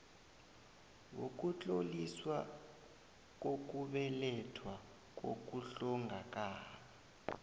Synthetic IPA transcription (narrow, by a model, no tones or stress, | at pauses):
wok̬ʼut͡ɬʼoliswa | k̬ok̬ʼuɓɛlɛtʰwa | k̬o̰k̬ʼuɬɔŋɡʱak̬ʼaːɓa